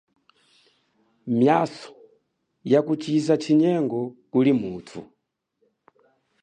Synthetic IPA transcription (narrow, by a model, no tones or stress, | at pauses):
mjasɔ̥ | jakut͡ʃizat͡ʃʰiɲɛŋɡɔkulimuːtʰṵ